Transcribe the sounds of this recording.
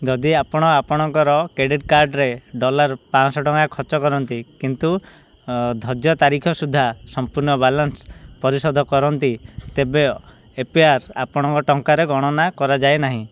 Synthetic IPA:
d͡ʒɔd̪iapɔɽ̃ɔapɔɽ̃ɔŋkɔɾɔkɾeɖiʈkaɾɖɾeɖɔlaɾpãsɔʈɔŋkakʰɔt͡ʃɔkɔɾɔnt̪ikint̪u | d̪ʱɔd͡ʒjɔt̪aɾikʰɔsud̪ʱːasɔmpuɾnɔbalɔnspɔɾisɔd̪ʱɔkɔɾɔnt̪it̪ebe | epiaɾa̰pɔɽ̃ɔŋkɔʈɔŋkaɾeɡɔɽ̃ɔnakɔɾad͡ʒaenaɦĩ

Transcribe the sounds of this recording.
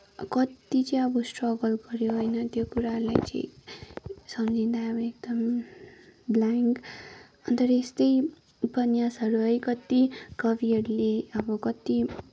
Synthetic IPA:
kʌt̪ːit͡sʌĩʌbʌsʈrʌɡʌlɡʌɾjoɦojnʌt̪jokuɾaɾla̰jt͡sʌ̰j̃ | sʌmd͡zʱind̪ajʌbʌek̚d̪ʌm | blaŋk | ʌnt̪ʌɾʌest̪ʌj | bʌnjasʌɾuʌjkʌt̪ikʌbiʌɾuleʌbʌkʌt̪i

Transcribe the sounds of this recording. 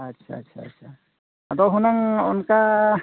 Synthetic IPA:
ɐtːʃʰa̰ɐtːʃʰa̰tːʃʰa | ɐd̪ɔɦunaŋʊ̰nka

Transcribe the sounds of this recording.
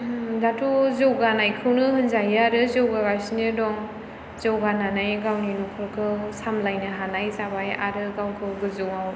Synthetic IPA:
datʰuzɯwɡanajkʰɯwnɯhɯnzajɯaɾɯzɯwɡaɡasinɯdɔŋ | zɯwɡananajɡawninɔkʰɯɾkʰɯwsamlajnɯɦanajzabaja̰ɾɯɡawkʰɯɡɯzɯwaw

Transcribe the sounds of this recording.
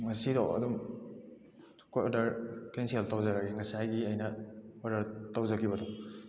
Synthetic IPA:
ŋɐsidɔ̰wɐ̰dum | kojodɐɾkensieltawzɐɾaɡeŋɐsihajɡiajnɐɔdɐɾtawzɐkibɐdɔ

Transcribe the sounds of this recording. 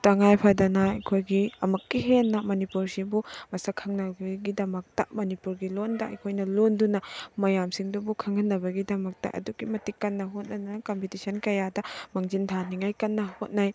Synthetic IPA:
tɐŋajpʰɐdɐnɐɐkʰojɡiɐmɐkːiɦenːɐmonipuɾsibumɐsɐkʰɐŋnɐɡɐɡidɐmɐk̚tɐmɐnipuɾɡilondɐɐ̰jkʰojnɐlondunɐmɐjamsiŋdubukʰɐŋɐnːɐbɐɡidɐmɐk̚tɐ̰ʔɐ̰duɡimɐtikːɐnːɐɦot̚nɐdakompitisɐnkɐjadɐmɐŋd͡ʒintʰaniŋajkɐnːɐhot̚naj

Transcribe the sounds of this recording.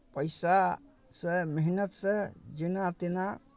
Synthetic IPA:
pəjsa | sɛmiɦinət̪sɛd͡ʒinat̪ena

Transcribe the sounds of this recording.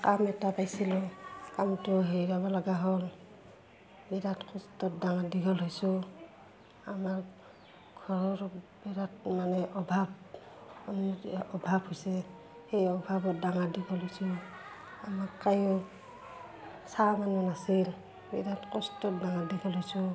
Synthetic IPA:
kamɛtapajsilɔkamtʊɦejɾaβalaɡaɦɔl | bidatkɔstɔt̚daŋadiɡɔlɦojsʊ | amaɹ | ɡʱɔɹɔɹbiɾatmanɛʔɔbʱab̚ | ɔnɔbʱabhojsɛ | hejɔbʱabɔt̚daŋadiɡɔlɦojsɔ | amakːajʊ | samanɔnasil | bidatkɔstɔt̚daŋadiɡɔlɦojsɔ

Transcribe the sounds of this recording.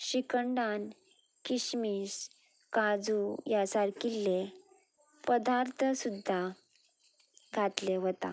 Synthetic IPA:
ɕikəɳɖan | kiɕmis | kad͡zujasaɾkilːe | pəd̪aɾt̪ʰəsud̪ʱːa | ɡʱat̪leɦot̪a̰

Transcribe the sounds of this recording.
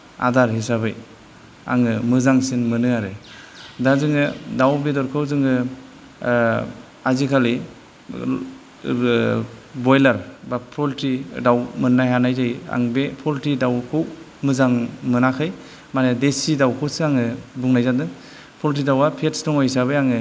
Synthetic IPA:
a̰daɾɦisabɯj | a̰ŋɯmɯzaŋsinmɯnɯaɾɯdazɯŋɯdawbedɔɾkʰɯwzɯŋɯ | azikʰali | bɔjlaɾbapʰɔltidawmɯnːajɦanajzaja̰ŋbepʰɔltidawkʰɯw | mɯzaŋmɯnakʰɯj | manɯdesidawkʰɯwsɯaŋɯbuŋnajzadɯŋ | pʰɔlt̬idawapʰetsdɔŋɔjsaβɯjaŋɯ

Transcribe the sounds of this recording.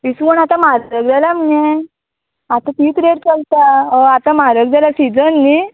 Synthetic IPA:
isunat̪amaɾəɡd͡zalam̤je | at̪ãt̪iːt̪ɾeɽt͡səlt̪aəat̪amaɾəɡ̚d͡zalasid͡zənːi

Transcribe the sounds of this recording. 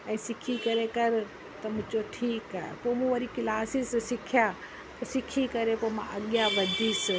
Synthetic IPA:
ɛ̃ːsɪkʰikɐɾekɐɾ | t̪ɐmʊ̃d͡ʒoʈʰiːkaḛpoːmũʋəɾikɪlaːsissɪkʰja | p̪osɪkʰikɐɾepomãʔɐɠjaʋɐd̪ʱis

